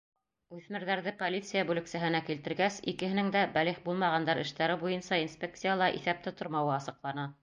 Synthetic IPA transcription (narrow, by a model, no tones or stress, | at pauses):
ʉθmɘ̆ɾðæɾðɘpolʲit̪sɨjabʉlɘ̆ksæɦɘ̆nækilt̪ɘ̆ɾɡæsikɘ̆hɘ̆nɘŋd̪æbæliχbulˠmɑʁɑnd̪ɑɾɘ̆ʃt̪æɾɘbujɤnsɑinspʲek̚t̪sɨjalˠɑʔḭθæp̚t̪ɘt̪ŏɾmɑwɤɑsɤ̆qlˠɑnɑ